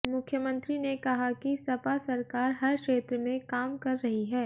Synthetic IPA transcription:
mʊkʰjəmə̃nt̪ɾinekɐɦakisɐpasɐɾkaːɾɦɐɾkʃeːt̪ɾəmẽkaːmkɐɾːɐɦiɦɛː

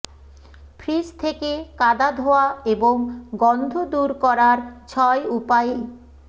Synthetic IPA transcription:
pʰɾist̪ʰekekad̪ad̪ʱoaeboŋɡɔnd̪ʱod̪uɾkɔɾaɾt͡ɕʰɔeupaj

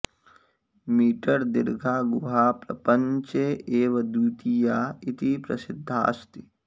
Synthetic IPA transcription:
miːʈəɾd̪ɪɾɡʱaːɡʊɦaːpɾɐpəɲt͡ʃeeːʋɐd̪uːt̪ijaːɪt̪ipɾɐsɪd̪ʱːa̰ːst̪i

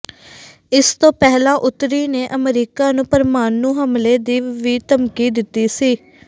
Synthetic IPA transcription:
ɪst̪õːpɛːɦlaːʔʊt̪ɾiːneːʔəmɾiːkaːnũːpəɾmaːnũːɦəmleːd̪iːʋiːt̪əmkiːd̪ɪt̪ːiːsiː

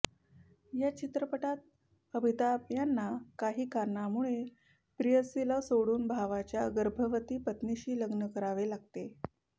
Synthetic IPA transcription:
jat͡ɕit̪ɾəpəʈat̪̚ | əbʱit̪abjanːakaɦiːkaɾɳamuɭe | pɾijəsilasoɽuːnbʱaʋat͡ɕjaɡəɾbʱəʋət̪iːpət̪niɕiːləɡnəkəɾaʋelaɡ̚t̪e

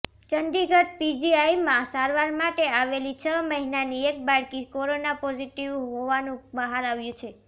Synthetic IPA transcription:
t͡ʃəɳɖiɡʱət̪̚pid͡ʒiajmãsaɾʋaɾmaʈeaʋelit͡ʃʰəməɦinaniek̚baɭkikoɾonapɔziʈiʋɦoʋanũbəɦaɾaʋjũt͡ʃʰe

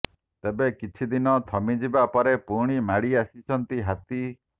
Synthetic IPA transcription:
t̪ebekit͡ʃʰid̪inɔt̪ʰɔmid͡ʒibapɔɾepuɾɽ̃imaɽiasit͡ʃʰɔnt̪iɦat̪i

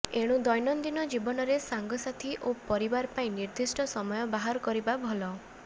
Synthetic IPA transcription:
eɽ̃ũd̪ɔjnɔnd̪inɔd͡ʒibɔnɔɾesaŋɡɔsat̪ʰiʔopɔɾibaɾpaĩniɾd̪ʱisʈɔsɔmɔjɔbaɦaɾkɔɾibabʱɔlɔ

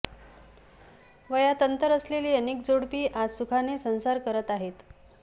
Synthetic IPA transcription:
ʋəjat̪ənt̪əɾəsleliːənek̚d͡zoɽpiːʔad͡zsukʰanesə̃w̃saɾkəɾət̪aɦet̪

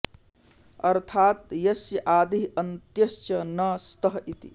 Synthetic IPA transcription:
ɐɾt̪ʰaːt̪jɐsjɐʔaːd̪iɦɐnt̪jɐst͡ʃjɐnɐst̪ɐɦit̪ḭ

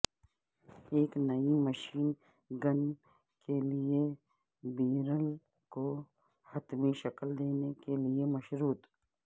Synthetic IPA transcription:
eːknɐimɐʃiːn | ɡɐn | kelie | biːɾəl | ko | hɐt̪mĩʃɐkld̪eːnekeliemɐʃɾuːt̪

